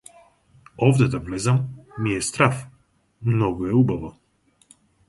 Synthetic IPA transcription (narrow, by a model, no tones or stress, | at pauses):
ɔvd̪ɛd̪avlɛzamːiɛst̪ɾaf | mnɔɡoɛubavo